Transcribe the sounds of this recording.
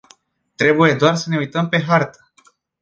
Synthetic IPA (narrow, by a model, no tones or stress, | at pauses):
t̪ɾe̞buje̞d̪oarsəne̞ujt̪əmpe̞ɦart̪ə̥